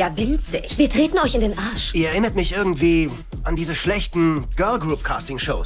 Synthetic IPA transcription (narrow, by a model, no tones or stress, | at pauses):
javɪnt͡sɪçviːɐtʁ̥eːtn̩ɔʏçɪndeːnʔaɐʃʔiːɐɛɐɪnɐtmɪçʔɪɐɡŋ̩tv̥iː | andiːzəʃlɛçtn̩ɡ̥ɜɐlɡʁuːp̚kʰaːstɪŋʃoʊs